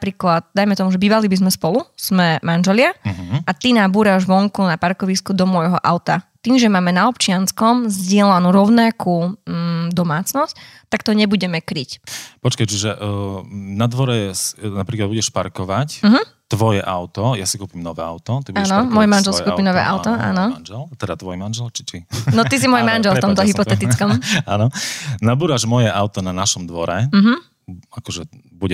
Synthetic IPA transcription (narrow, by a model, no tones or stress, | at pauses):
pɾiːklat̪̚d̪ajmɛt̪ɔmuʒɛbiːʋalibizmɛspɔluz̥mɛmanʒɛlɪaɦʔat̪inabuːɾaʒʋɔŋkunapaɾkɔʋiskud̪ɔmɔjɦɔʔa̰ʊt̪at̪iːmʒɛmaːmɛnaɔpt͡ʃɪanskɔmzɟɪɛlanuɾɔʊnaku | d̪ɔmaːt͡snɔsct̪akt̪ɔɲɛbuɟɛmɛkɾicpɔt͡ʃkajt͡ʃiʒɛ | nad̪ʋɔɾɛsnapɾiklad̪buɟɛʃpaɾkɔʋacm̩ɦm̩ | t̪ʋɔjɛʔaʊt̪ɔjasikuːpimnɔʋɛ̰ːa̰ʊt̪ɔt̪ibuaɛnɔmɔjmanʒɛlsikuːpinɔʋɛ̰ːʔa̰ʊt̪ɔʔa̰ːnɔnʒɛlt̪ɛd̪ɾat̪ʋɔjmanʒɛlt͡ʃi̥t͡ʃinɔt̪is̬imɔjmanʒɛlfɔmt̪ɔɦipɔt̪ɛt̪it͡skɔmanɔnabuːɾaʒmɔjɛʔaʊt̪ɔnanaʃɔmd̪ʋɔɾɛm̩ɦ̩ | akɔʒɛ | buɟɛ